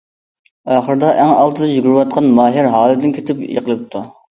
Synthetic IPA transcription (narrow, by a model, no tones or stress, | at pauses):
ɑːχəɾɨd̪ɑʔæŋɑlˠt̪ʰɨd̪ɑd͡ʒyɡʲyɾwɑt̪̚qʰɑnmɑːɦɪɾɦɑːlˠɨd̪ɪnkʲʰet̪ʰɪpjḛqʰəlˠɨp̚t̪ʰu